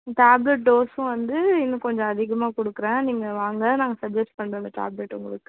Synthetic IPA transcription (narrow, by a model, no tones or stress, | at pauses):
ʈaːblɛʈ̚ɖoːsʊ̃ʋɐnd̪ɯɪnːɐ̃kɔɲd͡ʒɔ̃ɐðɪɣɐmaːkɔɽɯkːɯɾẽːniːŋɡɐʋaːŋɡɐnaːŋɡɐsɐb̚d͡ʒɛsʈ̚pɐɳːɐːlɐʈa̰ːblɛʈːʊ̰ŋɡɐɭɯkːɯ̥